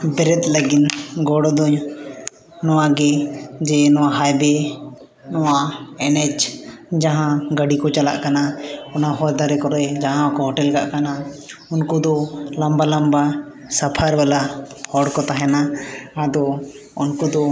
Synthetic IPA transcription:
bɛɾɛt̪̚ˀləɡinɡɔɽɔd̪ɔɲ | nɔwaɡɛd͡ʒɛnɔwaɦajbɛ | nɔwaɛnɛt͡ʃd͡ʒaɦãɡəɖikɔt͡ʃala̰ʔkanaɔnaɦɔɾd̪aɾɛkɔɾɛd͡ʒaɦãɔkɔɦɔʈɛlɡa̰ʔkanaunkud̪ɔlambalamba | sapʰaɾbalahɔɽkɔt̪aɦɛnaad̪ɔ | unkud̪ɔ

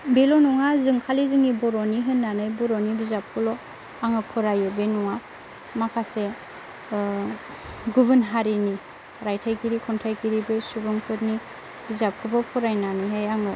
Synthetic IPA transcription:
belɔnuŋazɯŋkʰalizɯŋibɔɾɔniɦɯnːanɯjbɔɾɔnibizap̚kʰɯlɔ | aŋɯpʰɔɾajɯbenuŋa | makʰase | ɡuβɯnɦaɾini | ɾajtʰajkiɾikʰɔntʰajkiɾibesubɯŋpʰɯtni | bizap̚kʰɯbapʰɔɾajnanɯjɦejaŋɯ

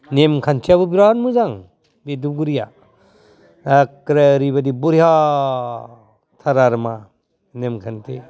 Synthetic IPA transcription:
nemkʰantʰiabɯbiɾanmɯzaŋ | beduɡuɾija | akɾaɾibadibuɾiha | tʰaɾaɾma | nemkʰantʰe

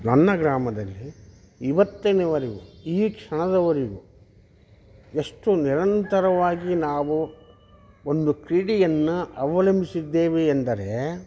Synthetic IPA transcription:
nɐnːɐɡɾaːmɐd̪ɐlːi | iʋɐt̪ːɐneʋɐɾiɡuiːkʂɐɳɐd̪ɐʋɐɾiɡu | eʂʈuniɾɐnt̪ɐɾɐʋaːɡinaːʋu | ond̪ukɾiːɽijɐnːuɐʋɐlɐmbisid̪ːeːʋeːnd̪ɐɾe

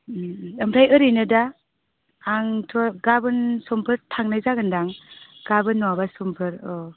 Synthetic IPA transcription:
əmɾajɯɾɯjnɯdaː | ŋtʰɔɡabɯnsɔmpʰɯɾtʰaŋnajzaɡɯndaŋɡ̥abɯnːɔwabasɔmpʰɯɾɔ

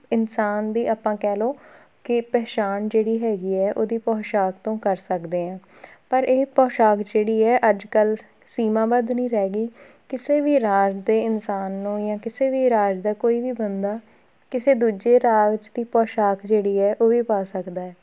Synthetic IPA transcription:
ɪnsaːnd̪iːʔaːpːãːkɛːloː | kɪpɛːt͡ʃaːnd͡ʒeːɽiːɦɛːɡiːɛːʔoːd̪iːpɔːʃaːk̚t̪õːkəɾsəkd̪eːɛ̃ː | pəɾʔeːpɔːʃaːkd͡ʒeːɽiːɛːʔəd͡ʒkəl | siːmãːbəd̪nĩːɾɛːɡiː | kɪseːʋiːɾaːd͡ʒd̪eːɪnsaːnːũːjãːkɪseːʋiːɾaːd͡ʒd̪aːkoːiːʋiːbənd̪aː | kɪseːd̪uːd͡ʒeːɾaːd͡ʒd̪iːpɔːʃaːkd͡ʒeːɽiːɛːʔoːʋiːpaːsəkd̪aːɛː

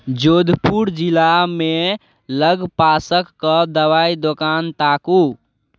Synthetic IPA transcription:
d͡ʒod̪ʱpuɾd͡ʒilame | ləɡpasəkːəd̪əʋaid̪okant̪aku

